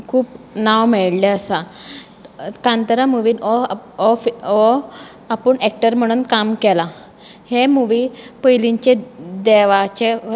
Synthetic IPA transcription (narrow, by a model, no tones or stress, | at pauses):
kʰuːpnawmeɽleəsa | kãnt̪əɾamuʋiːnɔɔfɔ | apəɳek̚ʈəɾm̤əɽ̃uːnkamkɛla | hemuʋipəjliɲt͡ɕed̪ɛʋat͡ɕe